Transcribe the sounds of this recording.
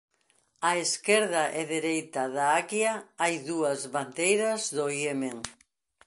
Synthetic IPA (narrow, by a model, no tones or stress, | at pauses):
aeskeɾðaʔeðeɾejt̪aðaakjaajðuɐzβand̪ejɾɐzðoiemeŋ